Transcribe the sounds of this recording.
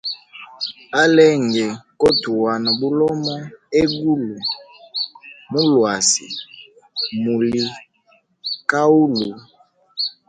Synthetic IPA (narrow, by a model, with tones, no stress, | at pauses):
a˦lɛ˦ŋ˨ɡɛ˨kɔ˦tu˨wa˨na˨bu˦lɔ˦mɔ˦e˦ɡu˦lu˨ | mu˦lwa˨sḭ˨ | mu˨li˨ | ka˦u˦lu˨